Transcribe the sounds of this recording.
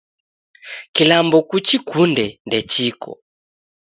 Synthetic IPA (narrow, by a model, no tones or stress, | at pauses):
kilambɔkut͡ʃikundɛndɛt͡ʃikɔ̰